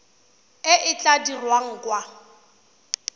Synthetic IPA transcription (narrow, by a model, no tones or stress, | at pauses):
ɪʔɪt͡ɬʼadirwaŋ̩kʼwa